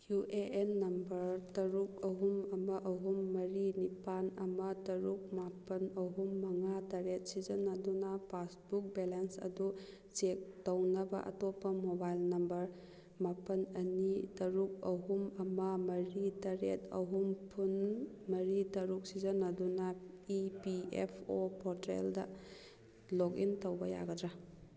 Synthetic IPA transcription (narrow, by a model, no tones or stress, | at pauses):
juʔeʔenːɐmbɐɾtɐɾuk̚ɐɦumɐmɐʔɐɦumːɐɾinipanɐmɐtɐɾuk̚mapɐnɐɦumːɐŋatɐɾet̚sid͡ʒɐnːɐdunɐpʰasbuk̚belensɐ̰du | t͡ʃek̚townɐbɐ̰ʔɐ̰topːɐmobajlnɐmbɐɾ | mapɐnɐnitɐɾuk̚ɐɦumɐmɐmɐɾitɐɾetɐ̰ɦumpʰun | mɐɾitɐɾuk̚sizɐnːɐdunɐipiepʰopʰɔɾtɾḛldɐ̰ | lokḭntɐwbɐja̰ɡɐdɾa